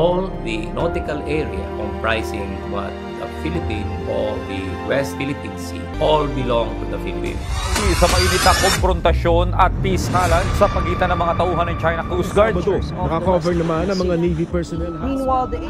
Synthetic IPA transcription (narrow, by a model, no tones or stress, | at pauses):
ʔold̪ɐnot̪ɪkɐlɛɹiɐ̰ʔɔvpɹajsɪ̃ŋ | wɐ̰t̪ | d̪ɐfilɪpĩnʔod̪i | wɛst̪filɪpinsi | ʔolbɪlõŋt̪ud̪ɐfilɪpḭ̃nsɐmɐʔinɪt̪akomfɾont̪ɐʃo̞nɐt̪̚piskaːlɐnsɐpɐɡiːt̪ɐnɐŋmɐŋat̪ɐʔuːɦɐnːɐŋt͡ʃajnɐkusɡaɹd̪ | ɐkakovɛɹnɐmanɐŋmɐŋanivipɛɹsɔnɛlinwald̪